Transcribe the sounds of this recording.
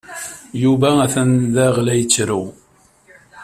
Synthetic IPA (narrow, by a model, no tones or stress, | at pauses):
juvææθənðæʁlæjt͡sːɾu